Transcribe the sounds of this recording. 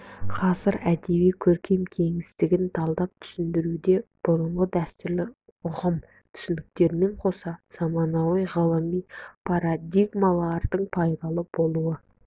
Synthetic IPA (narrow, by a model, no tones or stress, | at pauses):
qʰɑsəɾæd̪e̞βijkʲʰɵɾkʲʰe̞mkʲʰe̞ŋɪst̪ɪɡʲɪnt̪ʰɑlˠd̪ɑp̚t̪ʰʏ̥sɪnd̪ɪɾud̪e̞b̥ʊɾəɴʁəd̪æst̪ɪlɪ | ʊʁəm | t̪ʰʏ̥sɪnd̪ɪk̚t̪e̞ɾme̞ɴqʰo̞sɑz̥ɑmɑnɑwijʁəlˠəmijpʰɑɾad̪iɡmɑlˠɑɾd̪əɴpʰɑjd̪ɑlˠəbo̞lˠuwə